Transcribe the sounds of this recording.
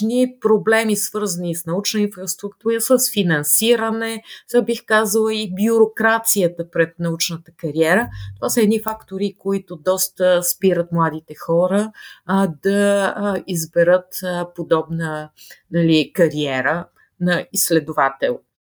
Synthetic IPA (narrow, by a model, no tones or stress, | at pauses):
nipɾoblɛmisvɤɾzənisnɐut͡ʃnəinfɾəst̪ɾukt̪uɾəsəsfinɐnsiɾənɛabixkazəlˠəibjʊɾokɾat̪sijət̪əpɾɛt̪̚nɐut͡ʃnət̪əkɐɾiɛɾət̪ovasəɛd̪nifakt̪oɾikoit̪ʊd̪ɔst̪əspiɾət̪mlˠad̪it̪ɛxɔɾə | d̪ɐ | izbɛɾət̪pod̪ɔbnənɐlikɐɾiɛɾə | nɐisːlɛd̪ovat̪ɛ̰lˠ